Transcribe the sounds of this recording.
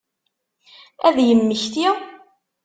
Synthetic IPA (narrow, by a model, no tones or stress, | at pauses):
æðjəmːəçθjæ